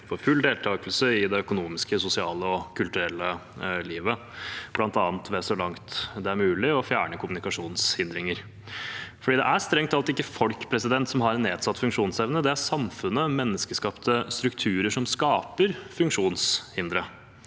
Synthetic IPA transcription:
fɔɾfʉld̪eːlt̪ʰɑːɡəlsəɪd̪ɛœkʊnuːmɪskəsʊsɪɑːləɔkʰʉlt̪ʉɾɛlːə | liːʋə | b̥lɑnt̪ɑːnt̪ʰʋɛsɔlɑŋt̪d̪ɛæɾmʉːlɪɔfjæːɳəkʰʊmʉnɪkɑʂuːnshɪnd̪ɾɪŋəɾ | fɔɖiːd̪ɛ̰ʔæst̪ɾɛŋt̪ɑlt̪ɪkːəfɔlkpʰɾɛsɪd̪ɛnt̪sɔmɦɑɾneːd̪sɑt̪ːfʉŋkʂuːnsɛʋnəd̪ɛæɾsɑmfʉnːəmɛnːəskəskɑpt̪əst̪ɾʉkt̪ʰʉːɾəʂɔmskɑːpəɾfʉŋkʂuːnshɪnd̪ɾə

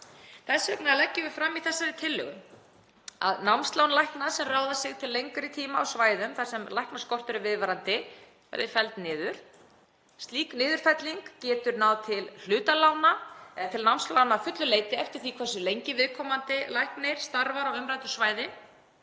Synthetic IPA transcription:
θɛsvɛknaalɛcːɪvɪ̥fɾamːiθɛsːaɾɪt̪ʰɪlːʏ̰ɣʏm | a̰ðnawmnst̪lawnlajhknasɛmraːwðasɪɣt̪ʰɪlːejŋkʏɾɪt̪ʰiːmaawsvaːjðʏmθasɛmlajhknaskɔr̥t̪ʏɾɪvɪðvaɾant̪ɪ | ɛ̰ɾðɪfɛlt̪nɪːðʏɾ̥ | st̪liːknɪːðʏɾ̥fɛt̪liŋkcɛːt̪ʏɾnawðt̪ʰɪll̥ʏːt̪alaːwnaɛðt̪ʰɪlnawmst̪laːwnafʏt̪lʏleːjt̪ɪɛft̪ɪɾ̥θikʰvɛsʏlejɲcɪvɪðkʰɔːmant̪ɪlajhknɪɾ̥st̪aɾvaɾawʏmɾajt̪ʏ̥svaːjðɪ

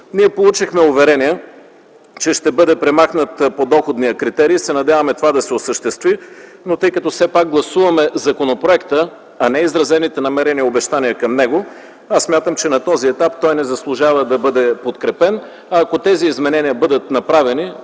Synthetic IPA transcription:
niɛpolˠut͡ʃixmɛʊvɛɾɛniə | t͡ʃɛʃt̪ɛbɤd̪ɛpɾɛmaxnət̪pod̪ɔxod̪nijəkɾit̪ɛɾiːsɛnɐd̪ʲjavɐmɛt̪ovad̪ɐsɛosəʃt̪ɛst̪vi | not̪ɤjkɐt̪ɔsɛpak̚ɡlˠɐsuvɐmɛzɐkonopɾoɛkt̪ə | ɐnɛizɾɐzɛnit̪ɛnɐmɛɾɛniəobɛʃt̪aniəkɐmnɛɡo | assmʲjat̪əmt͡ʃɛnɐt̪ɔziɛt̪apt̪ɔjnɛzɐslˠʊʒavəd̪ɐbɤd̪ɛpot̪kɾɛpɛn | ɐːkot̪ɛziːzmɛnɛniəbɤd̪ət̪nɐpɾavɛni

